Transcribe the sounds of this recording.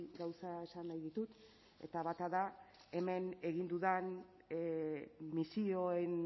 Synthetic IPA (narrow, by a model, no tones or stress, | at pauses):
ɡawsae̞sanːajðit̪ut̪ | e̞̰t̪aβat̪aða | e̞me̞ne̞ɣ̞ind̪uðan | misio̞en